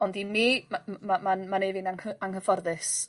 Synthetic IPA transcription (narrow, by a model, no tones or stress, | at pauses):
ɔndimimamamanmanejvɪnaŋəaŋhəfɔrðɨs